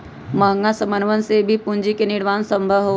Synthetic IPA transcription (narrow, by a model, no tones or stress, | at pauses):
mɐɦə̃ŋɡasɐmənʋənsebʱipuɲd͡ʒikenɪɽʋaːnsə̃mbʱəʋɦo